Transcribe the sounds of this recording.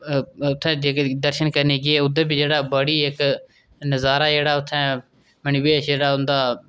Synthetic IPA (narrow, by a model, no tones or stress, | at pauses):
ʊt̪ʰːɛ̃ːd͡ʒeːkd̪əɾʃənkəɾniːɡeːʊd̪əːbid͡ʒeːɽaːbəɽiːek | nəzaːɾaːd͡ʒeːɽaːʊt̪ʰːɛ̃ː | mənɪʋeːʃd͡ʒeːɽaːʊnd̪aː